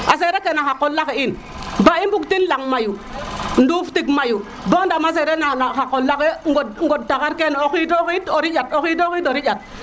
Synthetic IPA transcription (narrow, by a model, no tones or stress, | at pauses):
as̬eɾekenaxakːolːakein | baimbuktinlaŋmajunduftikmaju | bondamas̬eɾenanaxakːolːakeŋɡodŋɡod̚takaɾkenokitoxitoɾijatokit̬okitoɾiat̚